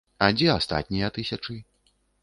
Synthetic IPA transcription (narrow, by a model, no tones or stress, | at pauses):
ad͡zʲɛast̪a̰t̪̚ʲnʲijɐt̪ɨsʲat͡ʂɨ